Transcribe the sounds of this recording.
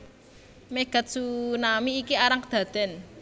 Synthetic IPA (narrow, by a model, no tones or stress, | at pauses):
meɡ̥a̤t̪̚sunamiːkiaɾaŋkəd̪̥ä̤d̪̥ɛn